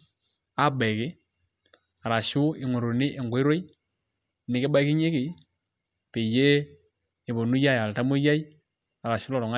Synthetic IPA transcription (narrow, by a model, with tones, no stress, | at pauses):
a˦be˨kɪ˦ | a˨ɾa˨ʃu˦ɪ˨ŋo˨ɾo˨nɪ˦ʔe˨ŋɡo˨˦i˦ɾo˦i˦ | nɪ˨kɪ˦ba˦kɪ˦ɲe˦kɪ˨ | pe˨je˦ | ɪ˨bo˨nu˦ja˦ja˨lta˦mo˦ja˦i˦ | a˨ɾa˨ʃu˦lɔ˨ɾɔ˨ŋa˦